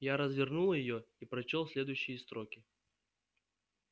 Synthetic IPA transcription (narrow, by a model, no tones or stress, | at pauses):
jaɾəzvʲɪrnulˠjɪjoipɾɐt͡ɕolˠsʲlʲe̞d̪ʊjɕːɪjəst̪ɾokʲɪ